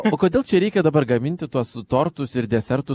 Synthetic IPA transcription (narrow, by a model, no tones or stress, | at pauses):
oːkoːd̪ʲeːlˠt͡ʃʲɛɾʲɛɪkʲɛd̪ɐbɐrɡɐmʲɪnʲt̪ʲɪt̪uɔst̪oːɾt̪ʊsɪɾd̪ʲɛsʲɛɾt̪ʊ